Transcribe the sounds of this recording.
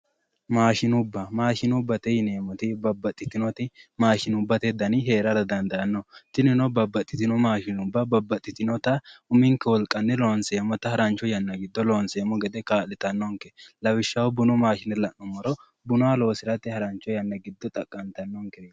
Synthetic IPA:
maːʃɪnʊbːɐmaːʃɪnʊbːɐt̪ɛjɪneːmɔt̪ɪbɐbːɐt̪ʼːɪt̪ɪnɔt̪ɪmaːʃɪnʊbːɐt̪ɛd̪ɐnɪɦe̞ːɾɐɾɐd̪ɐnd̪ɐʔɐnːɔt̪ɪnɪnɔbɐbːɐt̪ʼːɪt̪ɪnɔmaːʃɪnʊbːɐbɐbːɐt̪ʼːɪt̪ɪnɔt̪ɐʊmɪŋkːɛwɔlkʼɐnːɛloːnseːmːɔt̪ɐhɐɾɐnt͡ʃːɔjɐnːɐɡɪd̪ːɔlo̞ːnseːmɔɡɛd̪ɛkaːlɪt̪ɐnːɔŋkɛlɐwɪʃːɐwɔbʊnɔmaːʃɪnɛlɐnːɔmɔɾɔ | bʊnʊalo̞ːsɪɾɐt̪ːɪhɐɾɐnt͡ʃːɔjɐnːɐɡɪd̪ːɔt̪ʼɐkʼːɐnt̪ɐnːɔŋkɛe

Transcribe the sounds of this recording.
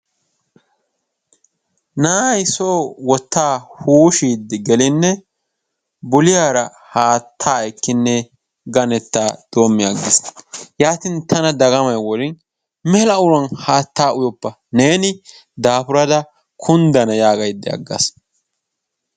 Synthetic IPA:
naːjɪso̞ːwɔt̪ːaːhuːʃiːd̪ɪɡɛlɪnːɛ | bʊlɪjaːɾɐ | haːt̪ʰːaːɛkːɪnːɛ | ɡɐnɛt̪ːaːd̪̥o̞ːmːɪɐɡːɪsjaːt̪ɪnt̪ʰɐnɐd̪ɐɡɐmɐjwɔlɪn | mɛlɐʊɾɐnhaːt̪ːaːʔʊjɔpːɐ | neːnɪ | d̪aːpʊɾɐd̪ɐ | kʰʊnd̪ɐnɐjaːɡɐjd̪ːɛɐ̰ɡːɐ̰s

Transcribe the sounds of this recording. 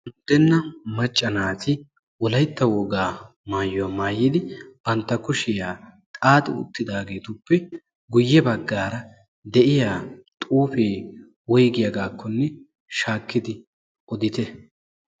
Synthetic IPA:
ʊnd̪ɛnːɐmɐt͡ʃʼːɐnaːt̪ɪ | wɔlɐjt̪ːɐwɔːɡaː | maːjːɔwaːmaːjːɪd̪ɪb̥ɐnt̪ːɐkʊʃɪjaːt̪ʼaːt̪ɪ̰ʊ̰t̪ːɪd̪aːɡe̞ːt̪ʊpːɛ | ɡʊjːɛbɐɡːaːɾɐ | d̪ɛʔɪjaːt̪ʼuːfeː | wɔjɡɪjɐɡaːkʰːɔnːɛ | ʃaːkːɪd̪ɪ | ʔɔd̪ɪt̪ɛ

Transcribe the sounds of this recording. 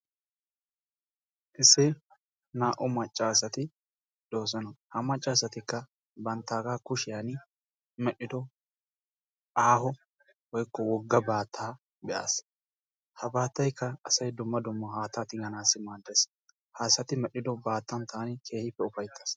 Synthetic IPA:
ʔɪsːɪ | naːʔɔmɐt͡ʃʼːaːs̬ɐt̪ɪ | d̪̥o̞ːs̬ɔnɐhɐmɐt͡ʃʼːaːsɐt̪ɪkːɐ | bɐnt̪ːaːɡaːkʊʃɪjanɪ | mɛɗːɪd̪ɔ | ʔaːhɔ | wɔjkːɔwɔɡːɐbaːt̪ʰːaː | bɛʔa̰ːs | hɐbaːt̪ːɐjkːɐɐsɐjd̪ʊmːɐd̪ʊmːɐhaːt̪ːat̪ɪɡɐnaːsːɪmaːd̪ːes | haːsːɐt̪ɪmɛɗɪd̪ɔbaːt̪ːɐnt̪ʰaːnɪkʰe̞ːhɪpːɛʊfɐjt̪ʰːaːs

